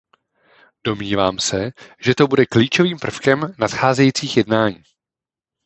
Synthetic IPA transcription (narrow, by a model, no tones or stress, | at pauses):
d̥o̞mɲiːvaːmsɛʒɛt̪o̞budɛkliːt͡ʃo̞viːmpr̩fkɛmnat̪xaːzɛjit͡siːxjɛdnaːɲiː